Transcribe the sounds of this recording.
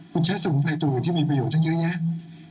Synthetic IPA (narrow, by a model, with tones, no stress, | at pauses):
kʰu˧nt͡ɕʰaː˦˥suː˨˩˦pʰaː˧˩jt̪u˨˧˩t̪ʰiː˥˩miː˧p̬ɾa˧joː˨˩t̪̚ʰa˥˧jɯ˦˥ɲa˦˥